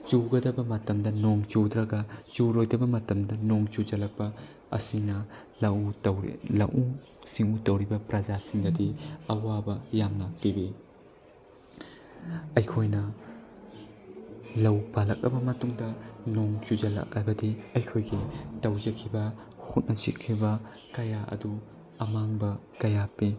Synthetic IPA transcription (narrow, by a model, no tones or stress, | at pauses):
t͡ʃuɡɐdɐbɐmɐtɐmdɐnoŋt͡ʃudɾɐɡɐd͡ʒuɾojdɐbɐmɐtɐmdɐnoŋt͡ʃud͡ʒɐlɐk̚pɐ | ɐ̰sinɐ | lɐuɐwlɐ̰ʔu | siŋutɐwɾibɐpɾɐd͡ʒasiŋdɐdiɐwabɐjamnɐpibi | ɐjkʰojnɐ | lɐwpalɐk̚ɐ̰bɐmɐtuŋdɐnoŋt͡ʃud͡ʒɐlɐ̰k̚ɐ̰bɐdiɐjkʰojɡitɐwzɐkʰibɐ | hut̚nʔɐt͡ʃḭkʰːibɐ | kɐjaʔɐ̰du | ɐmaŋbɐkɐjapi